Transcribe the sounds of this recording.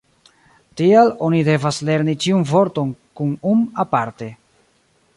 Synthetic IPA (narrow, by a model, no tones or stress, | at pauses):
tialo̞nide̞vasle̞ɾnit͡ʃiunvo̞ɾto̞nkunumapaɾte̞